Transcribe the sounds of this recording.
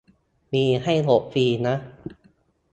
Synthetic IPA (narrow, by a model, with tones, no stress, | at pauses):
miː˧ɦa˥˩jlo˨˩p̚fiː˧na˦˥ʔ